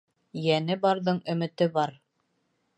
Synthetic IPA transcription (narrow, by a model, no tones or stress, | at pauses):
jænɘbɑɾðɤɴɵ̆mɘ̆t̪ɘbɑɾ